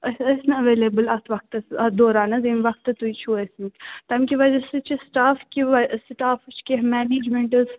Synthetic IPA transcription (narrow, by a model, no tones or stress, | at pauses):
ɐɐsnɐɐʋeːleːbəlɐt̪ʰʋɐk̚t̪ɐsɐd̪oːɾaːnɐzenʋɐk̚t̪ɐt̪uit͡ʃʰuɐsnit̪ɐmkʲiʋɐzɐsɨt͡ʃʰisʈaːfkʲiʋɐsʈaːft͡ʃʰkʲeɦmɛːniːd͡ʒmẽɳʈɨz